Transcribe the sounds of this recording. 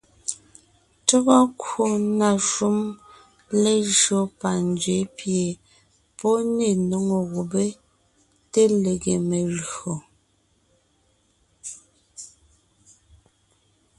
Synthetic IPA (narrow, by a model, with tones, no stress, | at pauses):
tɔ˦ɣɔ˦ko˦na˨ʃu˦m | le˦ʒɰo˦pa˨nd͡ʒɥe˨˦pje˨ | pɔ˦ne˨no˨ŋo˨ɣo˨be˦ | te˦le˨ɣe˨me˨ɣo˨